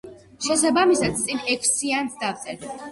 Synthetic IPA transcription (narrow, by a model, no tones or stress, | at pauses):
ʃɛsabamisad̪̚t̪sʼinɛkʰsiansd̪aft̪ʼɛt̪ʰ